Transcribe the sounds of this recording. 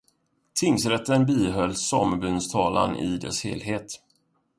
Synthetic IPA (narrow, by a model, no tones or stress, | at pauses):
t̪ʰɪŋsɾɛt̪ːənbiːɦœlːsɔmbɵnst̪ʰɑːla̰nʔɪ̰d̪ɛ̰shḛːlɦeːt̪